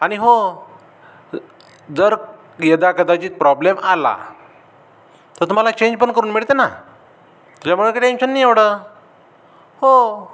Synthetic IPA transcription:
aɽ̃iɦo | d͡zəɾ | jəd̪akəd̪at͡ɕiːt̪̚pɾɔblemala̰ | t̪əɾt̪um̤alat͡ɕẽɲd͡ʑpəɳkəɾuːnmiɭt̪ena | t̪ut͡ɕamuɭəkiʈemɕənːiːeʋɽə | ho

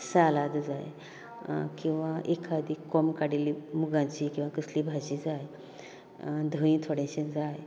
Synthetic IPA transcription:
salad̪d͡za̰j | kĩw̃ʋaʔekʰad̪iːkːɔmkaɽilimuɡãɲt͡ɕikĩw̃ʋakəsliːbʱaɕid͡zaj | d̪ʱəĩːt̪ʰoɽẽɕẽd͡zaj

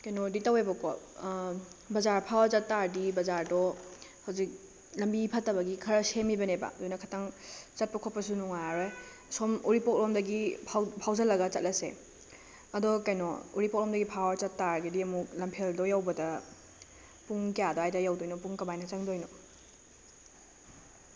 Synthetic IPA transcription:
kajnɔditawebɐkɔ | bɐzaɾpʰawɐɾt͡ʃɐtːaɾdibɐzaɾdɔhawzik̚ | lɐmbipʰɐtːɐbɐɡikʰɐɾɐsemibɐnebɐ̰dojnɐkʰɐtaŋt͡ʃɐt̚pɐkʰɔt̚pɐsunuŋaɾe | sɔmuɾipɔk̚lɔmdɐɡipʰawpʰawzɐlɐɡɐt͡ʃɐ̰t̚lɐsḛ | ɐdɔkɐjnɔ̰uɾipɔk̚lɔmdɐɡipʰawɐɾt͡ʃɐtːaɾɡediɐmulɐmpʰeldɔjawbɐdɐ | puŋkijadɔajdɐjawdojnɔpuŋkɐmajnɐt͡ʃɐŋdojnɔ

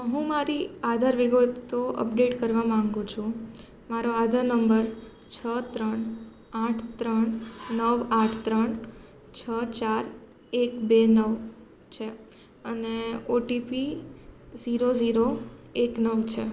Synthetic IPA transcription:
ɦũmaɾiad̪ʱaɾʋɪɡət̪t̪oʔə̰pɖeʈkəɾʋamãŋɡũt͡ʃʰũ | maɾoad̪ʱaɾnəmbəɾ | t͡ʃʰət̪ɾəɳ | aʈʰt̪ɾəɳnəʋaʈʰt̪ɾəɳ | t͡ʃʰət͡ʃaɾ | ekbenəʋ | t͡ʃʰe | əneoʈipi | ziɾod͡ʒiɾoeknəʋt͡ʃʰḛ

